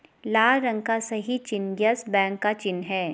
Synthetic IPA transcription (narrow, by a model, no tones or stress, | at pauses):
laːlɾɐ̃ŋɡkasɐɦit͡ʃɪnɡjəsbɛ̃ːŋkːat͡ʃɪnɦɛː